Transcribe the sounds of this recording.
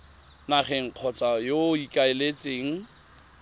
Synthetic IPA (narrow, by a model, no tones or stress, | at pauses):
naχɛŋ̩q͡χʰɔt͡sʼajoikʼaɪlet͡sʼeːŋ̩